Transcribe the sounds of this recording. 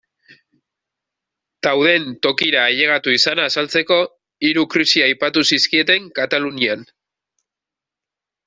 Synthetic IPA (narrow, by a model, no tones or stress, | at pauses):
t̪awð̞e̞nt̪o̞kiɾaːʎe̞ɣ̞at̪uisanaːsalt͡se̞ko̞ | iɾukɾisiajpat̪usiskie̞t̪e̞ŋkat̪alunian